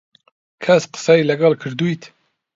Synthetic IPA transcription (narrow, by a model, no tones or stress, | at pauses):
kʰæsqɨ̥sɑjlæɡɑlkʰɨɾd̪ujt̪ʰ